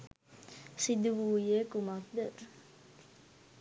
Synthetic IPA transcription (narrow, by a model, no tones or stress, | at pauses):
sid̪uʋuːjekumak̚d̪ə